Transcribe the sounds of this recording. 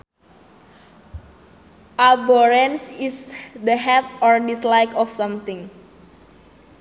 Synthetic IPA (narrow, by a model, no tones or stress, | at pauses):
ʔabɔɹɛnsisd̪əɦɛt̪̚ɔɹdislajkɔfsãmt̪ɪ̃ŋ